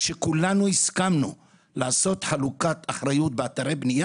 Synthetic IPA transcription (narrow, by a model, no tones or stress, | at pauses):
ʃe̞kulanuiskamnu | laːso̞t̪ħalukat̪aχɾajut̪̚beat̪aɾebnija